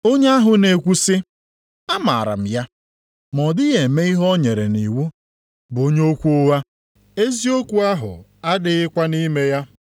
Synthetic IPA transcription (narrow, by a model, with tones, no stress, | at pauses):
o˦ɲe˦a˦ɦʊ˨ne˨kʷu˦sɪ˦ | a˦ma̰ː˨ɾa̰˨m̩˨ja˦ | mɔ˨dɪ˦ɣe˨me˦i˦ɦɔ˦ɲe˨ɾe˨ni˨wu˦ | bʊ˨o˦ɲe˦o˦kʷu˦o˦wa˦ | e˦zi˦o˦kʷu˦a˦ɦʊ̰˨a˦dɪ˨ɪ˦kʷa˦ni˦me˦ja˦